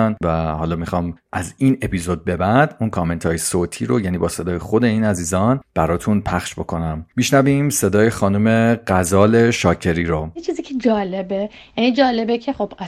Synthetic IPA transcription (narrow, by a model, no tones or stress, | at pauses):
nvæhɒːlɒːmixɒːmʔæziːne̞pizo̞d̪̚be̞bænd̪̥unkʰɒːme̞nt̪ʰɒːjesoːt̪ʰiːɾojæniːbɒːse̞d̪ɒːjexo̞d̪e̞iːnæziːzɒːnb̥æɾɒːt̪ʰunpʰæχʃbo̞kʰo̞næmːiʃnæviːmse̞d̪ɒːjexɒːnume̞ɢæzɒːle̞ʃɒːcʰe̞ɾiːɾojet͡ʃʰiziːcʰed͡ʒɒːlebe | jæniːd͡ʒɒːlebecʰeχob̥